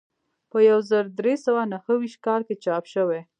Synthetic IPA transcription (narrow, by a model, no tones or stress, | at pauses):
pəjawzəɾd̪ɾesawanahəwiʃt̪̚kɑlket͡ʃɑpʃəwe